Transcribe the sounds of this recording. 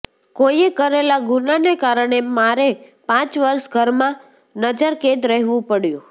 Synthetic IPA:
kojekəɾelaɡunanekaɾəɽ̃emaɾepãt͡ʃʋəɾʃɡʱəɾmã | nəd͡ʒəɾkẽd̪ɾəɦʋũpəɽjṵ̃

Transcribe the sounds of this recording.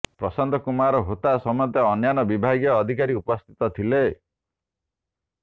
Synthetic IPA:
pɾɔsɔnd̪ʱɔkumaɾɔɦot̪asɔmɔɔt̪ɔɔnjanɔbibʱaɡjɔːd̪ʱikaɾiupɔst̪ʰi̥t̪ɔt̪ʰile

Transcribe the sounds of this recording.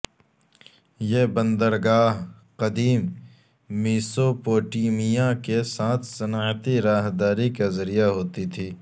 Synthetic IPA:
jebɐ̃nd̪əɾɡaːɦ | qɐd̪iːmː | iːsopoːʈiːmijãkesaːt̪ʰsɐnaːt̪iɾaːɦd̪aːɾikazɐɾijaɦoːt̪it̪ʰiː

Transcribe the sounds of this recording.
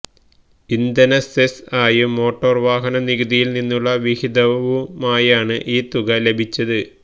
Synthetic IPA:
ind̪ɐnɐsesaːjumːo̞ːʈːo̞ːrʋaːɦɐnɐniɣɐðijilninːuɭːɐʋihid̪ɐʋumaːjaːɳɨʔiːt̪uɣɐle̞bʱit͡ɕːɐðɨ

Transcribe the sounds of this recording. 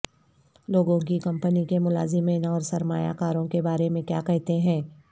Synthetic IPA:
loːɡõkikɐ̃mpənikemʊla̰ːzɪmeːnɔːɾsɐɾma̰ːja̰kaːɾõkebaːɾemẽkja̰ːkɛɦt̪eɦɛ̃ː

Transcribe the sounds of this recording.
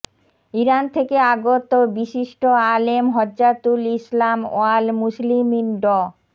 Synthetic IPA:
iɾant̪ʰekeaɡot̪obiʃiʃʈoalemɦɔd͡ʒd͡ʑat̪ulislamo̰almusliminɖɔ

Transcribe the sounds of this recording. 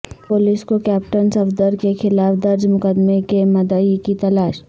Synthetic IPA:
pʊliskokɛːpʈənsɐfd̪əɾkexɪlaːfd̪ɐɾd͡ʒmʊkəd̪mekemɐd̪əikit̪ɐlaːʃ

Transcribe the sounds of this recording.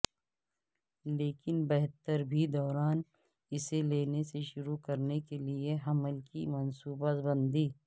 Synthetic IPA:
leːkɪnbɛɦt̪əɾbʱid̪ɔːɾaːn | ɪseleːneseʃʊɾukɐɾnekelieɦɐməlkimɐnsuːbət̪bɐ̃nd̪iː

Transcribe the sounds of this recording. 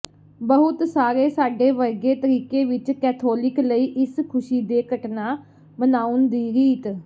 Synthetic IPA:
bəɦʊt̪saːɾeːsaːɖeːʋəɾɡeːt̪əɾiːkeːʋɪt͡ʃkɛːt̪ʰoːlɪkləiːʔɪskʰʊʃiːd̪eːkəʈnaː | mənaːʊnd̪iːɾiːt̪

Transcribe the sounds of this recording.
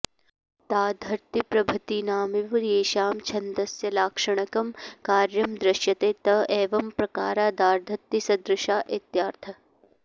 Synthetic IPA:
t̪aːd̪ʱɐɾt̪ipɾɐbʱɐt̪inaːmiʋɾeːʃaːmt͡ʃʰɐnd̪ɐsjɐlaːkʂɐɳ̃ɐkɐmkaːɾjɐmd̪ɾɪʃjɐt̪eːt̪ɐeːʋɐmpɾɐka̰ːɾaːd̪aːɾd̪ʱɐɾt̪ːisɐd̪ɾɪʃaːʔet̪jaːɾt̪ʰɐ

